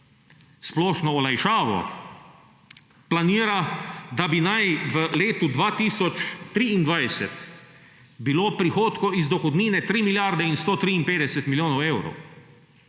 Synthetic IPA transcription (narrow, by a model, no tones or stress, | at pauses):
splɔːʃnɔɔlajʃaːʋɔ̰ | planiːɾad̪abinajʋəleːt̪ud̪ʋaːt̪iːsɔt͡ʃt̪ɾiːind̪ʋajsɛ̰t̪ | biloːpɾixoːt̪kɔizd̪ɔxɔd̪niːnɛt̪ɾiːmiljaɾd̪ɛinst̪oːt̪ɾiːinpeːd̪ɛsɛt̪miljoːnɔwewɾɔ̰w